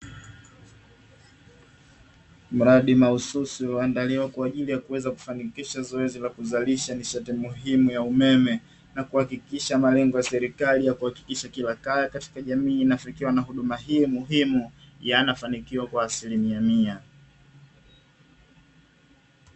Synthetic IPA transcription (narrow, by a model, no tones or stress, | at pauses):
m̩ɾaɗimaususiulandaliwakwaːʄilijakuwɛzaku̥fanikiʃazɔɛzilakuzaliʃamiʃatimuɦimujaumɛmɛ | nakuhakikiʃamalɛŋɡɔjasɛɾikalijakuhaki̥kiʃakilakajakati̥kaʄamiːnafikiwanaɦuɗumaɦiːmuɦimu | janafanikiwakwaːsilimiamia